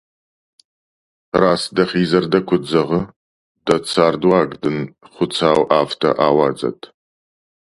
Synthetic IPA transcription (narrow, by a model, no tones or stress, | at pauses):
raːsdɐχiːzɐrdɐkʷʰʊd͡zɐʁə | d̥ɐt͡sʰaːrdwaːɡdɨnχʷʊt͡sʰaːwʔaːftʰɐ̰ʔaːwɑːd͡zʼɐ̰tʰ